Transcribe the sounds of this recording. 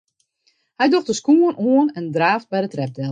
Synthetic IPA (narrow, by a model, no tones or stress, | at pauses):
hɛjdoxdəskuənʔuənɛndraːft̚bɛjdətrɛp̚dɛl